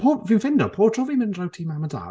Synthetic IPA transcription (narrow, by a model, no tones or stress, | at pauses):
pʰoːviːnfɪndɔpʰoːtʰr̥ɔːviːnmɪndrawtʰiːmaməda̰ː